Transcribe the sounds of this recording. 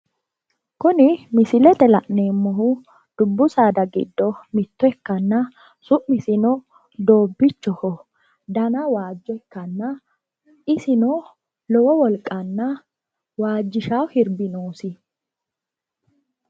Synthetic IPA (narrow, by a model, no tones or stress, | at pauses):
kʊnɪmɪsɪlɛt̪ɛlɐʔne̞ːmːɔɦʊ | d̪̥ʊbːʊsaːd̪ɐɡɪ̰d̪ːɔmɪt̪ːɔɛkːɐnːɐ | sʊʔmɪsɪnɔ | d̪o̞ːbːɪt͡ʃːɔhɔ | d̪ɐnɐwaːd͡ʒːɔɛkːɐnːɐ | ʔɪsɪno | lɔwɔwɔlkʼːɐnːɐ | waːd͡ʒːɪʃawhɪɾbɪnoːsɪ